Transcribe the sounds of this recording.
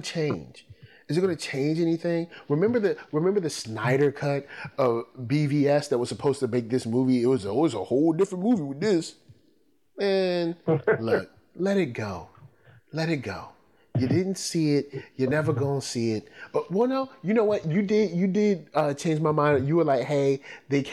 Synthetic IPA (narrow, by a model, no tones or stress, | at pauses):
t͡ʃʰẽɪ̃nd͡ʒ̥ | ɨzɨɡ̥ʌ̃nɨt͡ʃʰẽɪ̃nd͡ʒɛniθɪ̃ŋɹɨmɛ̃mbə˞ðɨɹɨmɛ̃mbə˞ðɨsnaɪɾə˞kʰʌɾʌvbiviɛsðɨt̚wʌz̥səpʰoʊz̥tɨmeɪk̚ðɪsmuviɪt̚wʌzɔlˠwizəhoʊlˠdɪfɹə̃nmuviwɨðɪs | ɨ̃nlʊk̚ | lɛɾɨt̚ɡ̥oʊ | lɛɾɨt̚ɡ̥oʊ | jɨdɪdⁿn̩tsiɪt̚jə˞nɛvə˞ɡõnsiɪt̚ʌwɛlˠnoʊjɨnoʊwʌt̚jɨdɪdjɨdɪd̚ʌt͡ʃʰẽɪ̃nd͡ʒmaɪmãɪ̃ndjɨwə˞laɪkheɪðeɪkʰ